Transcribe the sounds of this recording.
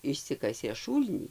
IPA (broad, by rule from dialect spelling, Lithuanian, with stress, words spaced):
ɪʃʲˈsʲɪkɐsʲeː ˈʃuːlʲnʲiː